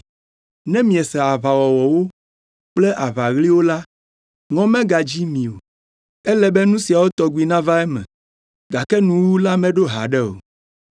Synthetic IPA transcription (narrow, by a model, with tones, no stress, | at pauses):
nɛ̃˦mĩ˨ɛ˨sɛ˨a˨βa˨wɔ˨wɔ˨wo˦ | k͡plɛ˦ʔa˨βa˨ɣli˦wo˦la˦ | ŋɔ̃˦mɛ̃˦ɡa˨d͡ʑi˦mĩ˨o˨ | ɛ˦lɛ˦bɛ˦nũ˦si˨a˨wo˦t̪ɔ˨ɡʷi˨nã˦va˦ɛ˦mɛ̰̃˨ | ɡa˨kɛ˦nũ˨wwu˦la˦mɛ̃˦ɖo˦ɦa̰˨ɖɛ˦o̰˨